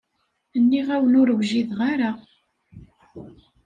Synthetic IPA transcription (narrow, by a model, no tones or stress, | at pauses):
ənːiʁæwənʊɾəwʒiðʁaɾa